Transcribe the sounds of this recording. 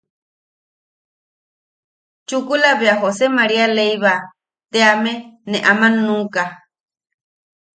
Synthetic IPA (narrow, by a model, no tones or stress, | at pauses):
t͡ʃukulaβeaɦosemaɾialejβa | t̪eamenẽʔamãnũka